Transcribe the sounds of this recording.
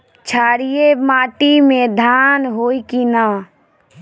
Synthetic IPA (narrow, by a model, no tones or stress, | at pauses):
t͡ʃʰaːɽijemaːʈimẽd̪ʱaːnɦoːikinaː